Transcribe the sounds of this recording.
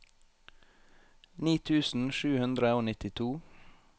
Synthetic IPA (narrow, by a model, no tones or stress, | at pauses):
niːt̪ʰʉːsn̩ʃʉːhʉnd̪ɾəoːnɪt̪ɪt̪ʰuː